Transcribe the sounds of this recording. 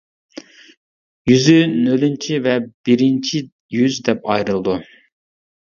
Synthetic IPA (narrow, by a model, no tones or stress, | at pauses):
jyzynølynt͡ʃʰivɛb̥iɾɪnt͡ʃʰi | jyzd̪ɛp̚ɑjɾɨlˠɨd̪u